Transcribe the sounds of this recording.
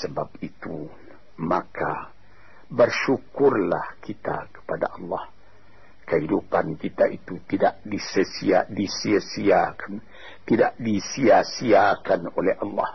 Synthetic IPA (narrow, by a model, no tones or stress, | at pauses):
səbap̚it̪u | makʰa | bərʃukʊrlahkit̪a̰kə̥pada̰ʔɑlːɑh | kəɦidupankit̪aʔit̪ut̪ida̰ʔdisəsiadisiasiakḁn | t̪idaʔdisiasiakanolɛhʔɑlːɑ̰h